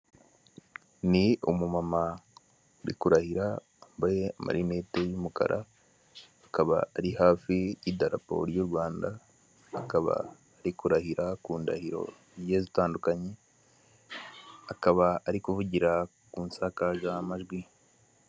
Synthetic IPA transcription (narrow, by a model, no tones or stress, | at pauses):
niumumama | ɾḭkuɾahiɾa | ambajeama̰ɾine̞te̞jumuka̰ɾʔa | akaβa̰ːɾihaːfijidaɾa̰po̞̰ɾjuɾwaːndaː | kaβa̰ː | ɾikuɾahiɾakuːnda̰hiɾo̞̰ | ɾjezitaːndukaɲe̞ | akaβaːɾikuvuɟiɾa | kuːnsakaʒamaʒɡwi